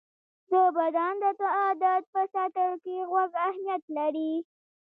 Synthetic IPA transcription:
d̪əbad̪ɑnd̪ət̪aɑd̪at̪̚pəsaʈ̪əɽkeɣwaɡahnijat̪laɾi

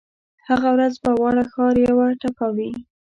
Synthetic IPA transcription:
haɣawɾazbawɑɽaxɑɾjawaʈapawi

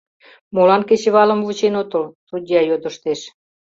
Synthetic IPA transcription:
molɑnket͡ɕĕβɑlə̆mvut͡ɕenot̪ə̆lt̪ud̪ʲjɑjod̪ə̆ʃt̪eʃ

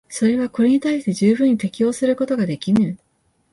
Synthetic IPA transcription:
so̞ɾe̞β̞ako̞ɾe̞ɲ̟it̪aiɕi̥t̪e̞ʑɨːbɯ̟̃ɲ̟ːit̪e̞kʲijo̞ːsɨɾɯ̟ko̞t̪o̞ɡad̪e̞kʲinɯ

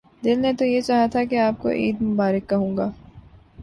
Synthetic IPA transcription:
d̪ɪlnet̪ojet͡ʃaːɦat̪ʰakeaːp̚ko̰ʔḭːd̪mʊbaːɾɪkːɐɦũːŋɡaː

